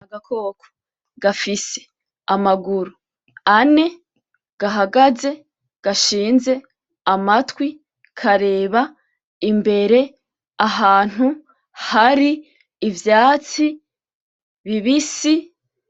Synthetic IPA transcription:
aɡakʰoːkʰo̥ | ɡ̥afise̥ | amaɡuɾu | ane̞ | ɡ̥aɦaɡaze̞ | ɡ̥aʃiːnze̞ | amatwi | kʰaɾe̞ːβa | imbe̞ɾe̞ | aɦaːn̥hu | haɾiː | vjaːt͡si | βiβisi

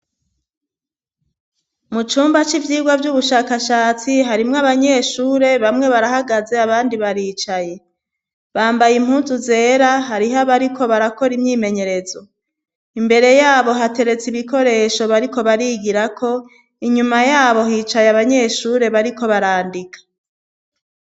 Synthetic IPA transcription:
mut͡ʃuːmbat͡ʃivjiːɡwavjuβuʃaːkaʃaːt͡siɦaɾimŋaβaɲe̞ʃuːɾe̞βamŋe̞βaɾahaɡaze̞aβaːndiβaɾiːt͡ʃaje̞ | βaːmbajim̥huːnzuze̞ːɾaɦaɾiɦaβaɾikʰo̞βaɾako̞ɾimɲiːme̞ɲe̞ɾe̞zo̞ | imbe̞ɾe̞jaːβo̞ɦate̞ɾe̞t͡siβiko̞ɾe̞ːʃo̞βaɾiko̞βaɾiɡiɾakʰo̞ | iɲumajaːβo̞ɦiːt͡ʃajeaβaɲe̞ʃuːɾe̞βaɾiko̞βaɾaːndikḁ

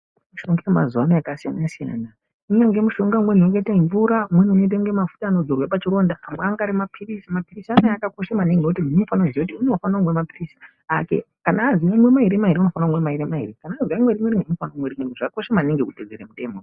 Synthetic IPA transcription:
muʃoŋɡema̰zuanejakasija̰naasija̰na | unaŋɡemuʃo̞ŋɡamwenokeitaiɱvuɾamwenuuno̞it̬aŋɡemafu̥taːno̞d͡zorwapat͡ʃiɾo̞ːndaːmweaŋɡaɾimapʰirisimapirisanajakako̞ʃamaneŋɡenok̬utinunofanaziekutiune̞ufanaomwemapirisi | ake̞̰ | kanaːziamwe̞maɦiɾemaɦiɾeuno̞fanromwemaiɾemaɦḭrekanaːziamweɾimweɾineunofanaomwerimweʐakakoʃamaneŋɡekuted͡zeɾemute̞ːmo

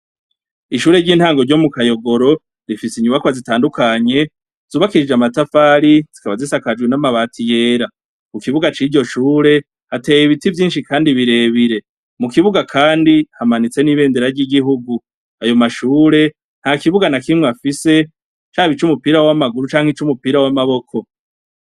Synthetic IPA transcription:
iʃuːɾe̞ɾɟiːnhaːŋɡoɾɟo̞mukajo̞ɡo̞ɾo̞ | ɾifisiɲuβakβazitaːndukʰaɲe̞ | z̥uːβakiɾid͡ʒamatafaːɾiz̥ikaβazisakad͡ʒɡwenamaβaːtʰije̞ːɾa | kukiβuɡat͡ʃiːɾɟo̞ʃuːɾe̞ | hate̞ːjiβitivjiːnʃikʰaːndiβiɾe̞βiɾe̞ | mukiβuɡakʰaːndihamanit͡se̞niβe̞ːnde̞ɾaɾɟiɡiɦuɡu | ajo̞maʃuːɾe̞ | n̥hakiβuɡanakimŋweafise̞ | t͡ʃaβit͡ʃumupiɾawamaɡuɾut͡ʃaːŋhit͡ʃumupiɾawamaβo̞kʰo̞

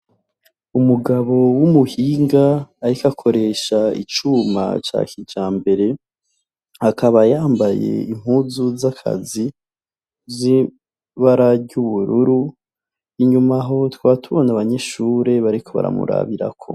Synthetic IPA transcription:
umuɡaβo̞wumuhiːŋɡaːɾikakʰo̞ɾe̞ʃaḭt͡ʃuma̰t͡ʃa̰ːkid͡ʒaːmbe̞ɾe̞ | hakaβajaːmbaje̞̰im̥huːzuzakʰa̰zi | zi | βaɾaɾɟuβuɾuɾu | iɲumaɦo̞twaːtuβonaβaɲe̞ʃuːɾe̞βaɾikʰo̞βa̰ɾa̰mṵɾa̰βiɾa̰kʰo̞̰

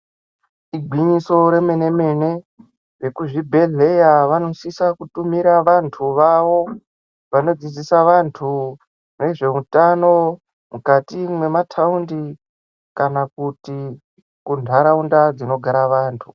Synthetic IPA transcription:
iɡʱwiɲiso̞ɾe̞me̞ne̞me̞ne̞ | re̞kuʐibʱe̞ɮe̞jaʋano̞sisakutumiɾaʋantʰuʋaʋo̞ | ʋano̞d͡zid͡zisaʋantʰu | ne̞ʐe̞utano̞ | mukatimwe̞matʰaundi | kanakuti | kundʱaɾaundad͡zino̞ɡʱaɾaʋaːntʰu

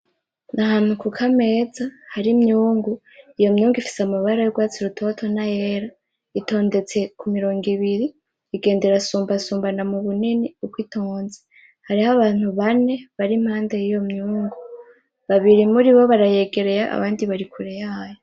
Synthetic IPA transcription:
nʔahaːn̥hukukʰame̞zahaɾimɲuːŋɡu | ijo̞mɲuːŋɡifi̥samaβaɾajoɡwaːt͡siɾutʰo̞tʰo̞najeːɾa | ito̞ːnde̞t͡se̞kumiɾo̞ːŋɡiβiɾiː | ɡe̞ːnde̞ɾasuːmbasuːmbanamuβuniniukwitʰoːnze̥ | haɾihaβaːn̥huβane̞βaɾim̥haːndejijo̞mɲuːŋɡu | βaβiɾimuɾiβo̞βaɾaje̞ːɡe̞ɾe̞ɾaʔa̰βaːndiβaɾikʰuɾejajo

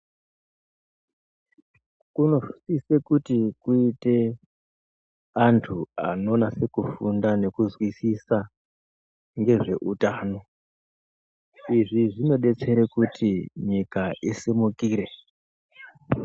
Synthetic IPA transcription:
kuno̞fu̥sise̞kutikuite̞ | antʰua̰no̞nase̞kufundane̞kuzwisisa | ŋɡe̞ʐe̞ʔutaːno̞ | iʐiʐino̞ɓe̞t͡se̞ɾekutʰiɲikaʔisimukiːɾe̞

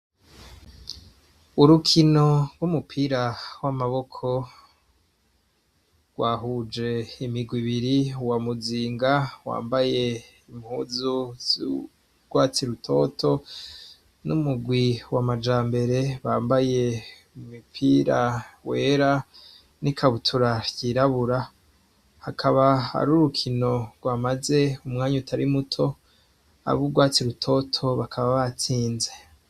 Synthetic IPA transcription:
uɾukʰino̞ɾɡumupʰiːɾawamaβo̞kʰo̞ | ɡ̥waːɦud͡ʒe̞imiɡwiβiɾiwamuziːŋɡawa̰ːmbaje̞ | imhuːzu | ɡ̥waːt͡siɾutʰo̞ːtʰo̞ | numuɡwiwamad͡ʒaːmbe̞ɾe̞βaːmbaje̞ | umipʰiɾawe̞ːɾa | nikʰaβutʰuɾaɟiɾaβuɾa | hakʰaβaha̰ɾuːɾukʰino̞ɾɡwaːmaze̞umŋaːɲutʰaɾimutʰo̞ | a̰βuɡwaːt͡siɾutʰo̞tʰo̞βakʰaβaβat͡siːnze̞

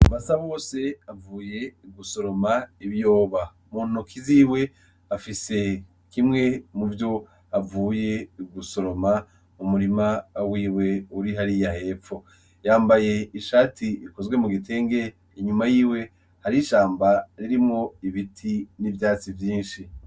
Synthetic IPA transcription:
uβasaβo̞ːse̞avuːje̞ɡuso̞ɾo̞maiβjo̞ːβa | muːn̥okʰiziːwe̞ | afise̞ | kimŋe̞muvjo̞ | avuːje̞ɡuso̞ɾo̞ma | umuɾimawiːwe̞uɾiɦaɾijahe̞ːpfo̞ | jaːmbaje̞iʃaːtʰiiko̞zɡwe̞muɡitʰe̞ːŋɡe̞ | iɲumajiːwe̞ | haɾiʃaːmbaɾiɾimŋo̞iβitʰinivjaːt͡sivjiːnʃi

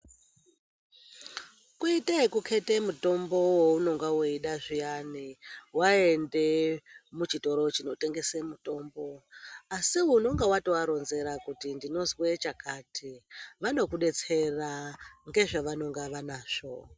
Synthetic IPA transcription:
kuitekukʰe̞te̞muto̞mbo̞wouno̞ŋɡawoiɗaʐijaniwae̞nde̞mut͡ʃito̞ɾo̞t͡ʃino̞te̞ŋɡe̞semuto̞ːmbo̞asiuno̞ŋɡawatowaɾo̞nze̞ɾakutindino̞zwe̞t͡ʃakaːtʰiʋano̞kuɗe̞t͡se̞raŋɡe̞ʐaʋano̞ŋɡaʋanaːʂo̞

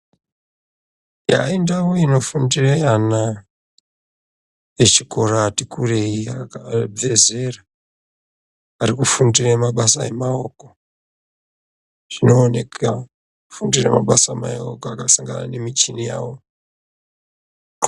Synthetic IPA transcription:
ja̰indawoino̞fundirajana | je̞t͡ʃiko̞ratikureiab͡ve̞ze̞ra | rikufundiramaɓasae̞maoko | ʐ̥ino̞ːne̞ka | ufundirḛma̰ɓasama̰okoakasaŋɡana̰ne̞mit͡ʃinija̰ːwo

